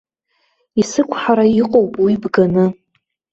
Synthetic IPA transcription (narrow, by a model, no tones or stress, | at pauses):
isɨkʷʰħaɾaiqʼowpʼwibɡanɨ